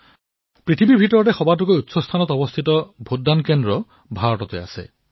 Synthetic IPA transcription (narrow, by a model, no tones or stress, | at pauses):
pɹit̪ʰibibʱitɔɹɔtɛxɔbat̬ukojutsɔst̪ʰanɔtɔbɔst̪ʰitɔbʱudːankendɹɔ | bʱaɹɔtɔtea̰sḛ